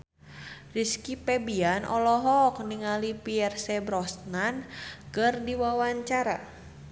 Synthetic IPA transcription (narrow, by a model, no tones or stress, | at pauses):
riskipɛbianʔɔ̰lɔɦɔk̚niŋalipiɛrsɛbɾɔsnankɨrdiwawaɲt͡ʃaɾa̰